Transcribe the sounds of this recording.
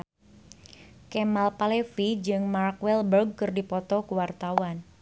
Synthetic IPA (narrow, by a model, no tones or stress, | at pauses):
kemalpalefid͡ʒɨŋmarkwɛlbərɡ̚kɨrdipɔt̪ɔkuwart̪awan